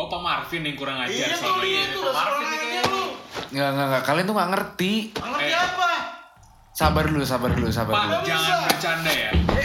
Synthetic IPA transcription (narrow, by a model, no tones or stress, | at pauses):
pamarfɪnɪŋkuɾaŋad͡ʒasaiua | ŋɡaŋɡaŋɡakalnt̪uŋɡaʔŋərt̪iəaiapa | sabarlus̬abarlusabarlud͡ʒaŋanat͡ʃandɛa̰